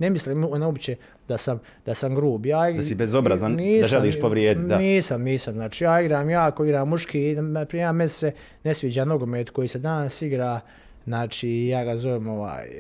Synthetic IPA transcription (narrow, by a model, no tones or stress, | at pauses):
ne̞misliːmnaobit͡ɕe | d̪asam | d̪̥asamɡɾuːbjaːiɡsibezobɾazaniːaʒelˠiːʃpoʋɾjeːd̪it̪d̪aniːsamniːsamznaːt͡ʃiːjaːiɡɾaːmjaːkoiɡɾaːmːuʃkiːapɾiamesse | ne̞sʋiːd͡ʑaːno̞ɡomeːt̪ko̞jiːsed̪aːnsiɡɾaː | znaːt͡ʃiːjaːɡazo̞ʋemo̞ʋa̰ːj